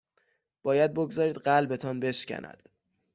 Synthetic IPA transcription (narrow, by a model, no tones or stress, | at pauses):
b̥ɒːjæd̪̚boɡzɒːɾiːd̪ɢælbe̞t̪ʰɒːnbe̞ʃcʰæ̰nʔæ̰d̪̥